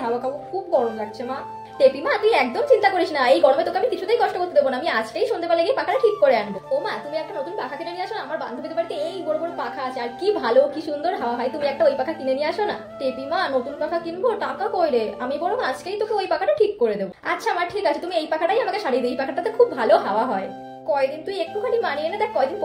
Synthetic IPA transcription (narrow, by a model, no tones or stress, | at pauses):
ɦawakabokʰubɡɔɽomkakːt͡ɕʰema | ʈepimat̪uiɛk̚d̪omt͡ɕint̪akoɾiʃnaejɡɔɽomet̪okeamikit͡ɕʰut̪ajkɔʃʈokoɾt̪ed̪ebonaamiad͡ʑʈejʃund̪epaɾleɡejpakʰaʈaʈʰikːoɾeanbokomat̪umiɛkʈanot̪unpakʰakinenieaʃonaamaɾba̰nd̪ʱobit̪epaɽit̪eejbɔɽobɔɽopakʰaat͡ɕʰeaɾkibʱalokiʃund̪oɾɦaoaɦɔet̪umiɛk̚ʈaojpakʰakinenijeaʃona | ʈepimanot̪unpakʰakinbot̪akakojɾeamibɔɽokad͡ʑkejt̪okeojpakʰaʈaʈʰikːoɾed̪eboatːɕʰaamaɾʈʰikat͡ɕʰet̪umiejpakʰaʈajamakeʃaɽid̪eijpakʰaʈaat̪ekʰubːʱaloɦaoaɦɔe | kɔed̪int̪umiek̚ʈukʰanimanienad̪ɛk̚kɔed̪in